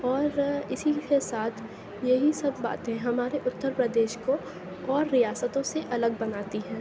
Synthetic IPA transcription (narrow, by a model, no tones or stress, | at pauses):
ɔːɾɪsikesaːt̪ʰ | jeɦisɐbːa̰ːt̪ɦɛ̃ɦɐmaːɾeʔʊt̪ːəɾpɾəd̪eːʃko | ɔːɾːijaːsət̪õseʔɐləɡ̚bɐnaːt̪iɦɛ̃ː